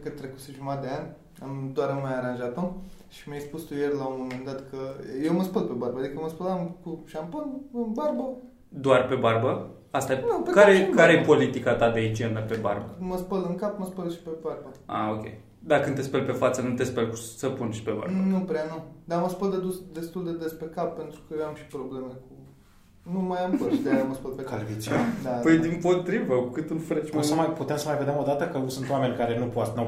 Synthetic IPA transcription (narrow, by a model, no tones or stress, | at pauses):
kət̪ɾekut̪seʒumad̪eanʲ | amd̪oaɾumajaɾanʒat̪omʃimjajspust̪ujerʲlawomomẽnd̪at̪kʰəjewməspəlpe̞barbəad̪ikəməspəlamkuʃamponɨnbarbə | d̪oarpe̞barbə | ast̪aenupekaɾejekaɾejepo̞lit̪ikat̪ad̪eit͡ʃend̪əpe̞ba̰rbəməspəlɨŋkapməspəlʃi̥pebarbəa̰okʲḛj | d̪akɨnt̪e̞spelpe̞fat̪sənut̪e̞spelkusəpunʃi̥pe̞ba̰ɾnupɾeanud̪aməspəld̪ed̪usd̪e̞st̪uld̪e̞d̪e̞spekap̚ːe̞nt̪ɾukəjoamʃi̥pɾoble̞meku | numajampəʃid̪aaməspəlpekalvit͡ʃad̪apəjd̪impo̞t̪ɾivəkukɨt̪ɨlfɾet͡ʃʲmosəmajput̪eamsəmajve̞d̪emo̞d̪at̪əkəsunt̪owame̞nʲkaɾe̞nupoat̪na